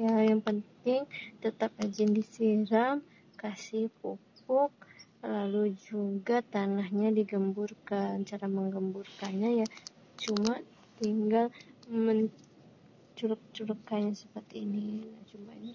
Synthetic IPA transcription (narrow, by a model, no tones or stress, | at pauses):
jajaŋpənt̪ɪŋt̪ət̪ap̚ad͡ʒɪndisiɾam | kasɪhpupʊk̚lalud͡ʒuɡat̪anahɲadiɡəmburkant͡ʃaɾaməŋɡəmburkanɲaja | t͡ʃuma | t̪iŋɡalməɲ | t͡ʃulʊk̚t͡ʃuləkːanɲasəpərt̪iininat͡ʃumani